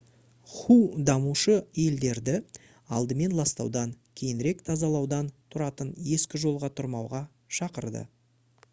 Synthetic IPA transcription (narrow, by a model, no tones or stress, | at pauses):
χud̪ɑmuʃəje̞ld̪e̞ɾd̪ɪ | ɑ̰lˠd̪əme̞nlˠɑst̪ɑ̰wd̪ɑŋkʲʰe̞jɪnɾe̞kt̪ʰɑzɑlˠɑwd̪ɑnt̪ʰʊɾɑt̪ənje̞skʲɪʒo̞lˠʁɑt̪ʰʊɾmɑwʁɑ | ʃɑqəɾd̪ə̰